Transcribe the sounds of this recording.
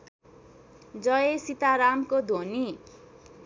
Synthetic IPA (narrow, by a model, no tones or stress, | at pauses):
d͡zʌjesit̪aɾamkod̪ʱoni